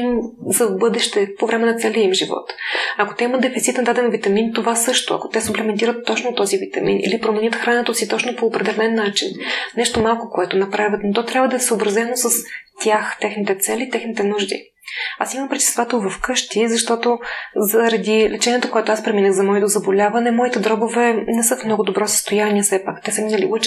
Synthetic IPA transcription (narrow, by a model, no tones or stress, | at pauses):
mzɐvbɤd̪ɛʃt̪ɛpovɾɛmɛnɐt̪sɛlʲɛimʒivɔ̰t̪ɐko̥t̪ɛimət̪̚d̪ɛfit̪sit̪ɛnd̪ad̪ɛnvit̪ɐmint̪ovasɤʃt̪oɐ̰ko̥t̪ɛsuplɛmɛnt̪̬iɾət̪ːɔt͡ʃnot̪ɔzivit̪ɐ̰mḭnḭlipɾomɛnʲjət̪xɾanət̪əsit̪ɔt͡ʃnopoːpɾɛd̪ɛlɛnːat͡ʃinnɛʃt̪omalˠkokoɛt̪onɐpɾavʲjət̪not̪ɔt̪ɾʲjabvəd̪ɐɛsəobɾɐzɛnosəst̪ʲjaxt̪ɛxnit̪ɛt̪sɛlit̪ɛxnit̪ɛnuʒd̪ḭ | asimɐmpɾɛt̪i̥st̪vat̪əvɐfkɤʃt̪izɐʃt̪ɔt̪ozəɾɐd̪ilɛt͡ʃɛniɛt̪okoɛt̪oaspɾɛminəɣzɐmɔɛt̪ozɐbolʲavɐnɛmɔit̪ɛd̪ɾɔbovɛnɛsɤfmnɔɡʊd̪obɾɔsə̥st̪ojaniɛfsɛpakt̪ɛsɐminɐlḭlˠət͡ʃ